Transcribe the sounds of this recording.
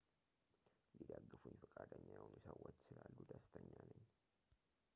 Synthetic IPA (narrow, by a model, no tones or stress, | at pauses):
lid̪aɡːɨfunjɪfəkʼad̪əɲːajnusəwot͡ʃːsɨlalːud̪ast̪ʰəɲːanəɲː